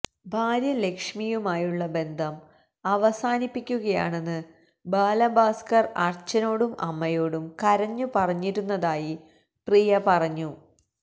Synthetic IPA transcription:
bʱaːɾjɐle̞kʂmijumaːjuɭːɐbe̞nd̪ʱɐm | ɐʋɐsaːnipːikʲːuɣɐja̰ːɳe̞nːɨ | baːlɐbaːskɐrɐrt͡ɕːɐno̞ːɽumʔɐ̰mːɐjo̞ːɽumkɐɾɐɲːupɐrɐɲːiɾunːɐðaːji | prijɐpɐrɐɲːu

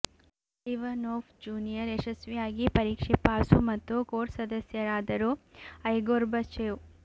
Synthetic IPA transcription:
iʋɐnoːpʰd͡ʒuːnijɐɾeʃɐsʋijaːɡipɐɾiːkʂepaːsumɐt̪ːukoːʈsɐd̪ɐsjɐɾaːd̪ɐɾuɐjɡoːɾbɐt͡ʃeːʋu

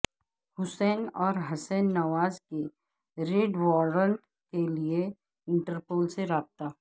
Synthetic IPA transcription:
hʊsɛːnɔːɾɦɐsɛːnːɐʋaːzke | ɾeɖʋɔːɾəɳʈ | kelie | ɪ̃ɳʈəɾpoːlseɾaːb̚t̪aː

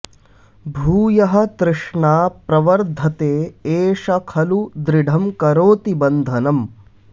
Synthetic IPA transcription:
bʱuːjɐɦɐ̆t̪ɾɨʂɳaːpɾɐʋɐɾd̪ʱɐt̪eːeːʂɐkʰɐlud̪ɾiɖʱɐmkɐɾoːt̪ibɐnd̪ʱɐnɐm

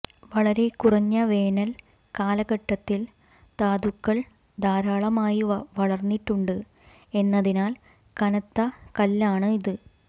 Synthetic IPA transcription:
ʋɐɭɐɾe̞kurɐɲːɐʋe̞ːnɐl | kaːlɐɣɐʈːɐt̪ːil | t̪aːðukːɐɭ | d̪aːɾaːɭɐmaːjiɐʋɐɭɐrnːiʈːuɳɖɨ | e̞nːɐðinaːl | kɐnɐt̪ːɐkɐlːaːɳɨiðɨ

